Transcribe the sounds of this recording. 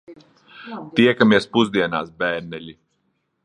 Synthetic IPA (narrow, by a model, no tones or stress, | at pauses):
t̪iɛkamiɛspuzd̪iɛna̰ːsbæːɾnɛlʲi